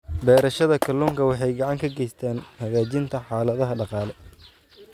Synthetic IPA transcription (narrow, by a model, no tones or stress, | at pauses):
bɛːɾɐʃɐðɐkʰɐluːŋkʰɐwɑħɑjɡɑʕɑŋkʰɐɡɛjst̪ʰaːnhɐɣaːt͡ʃɪnt̪ʰɐħɑːlɐðɐɦɐɖɑqɑːlɛ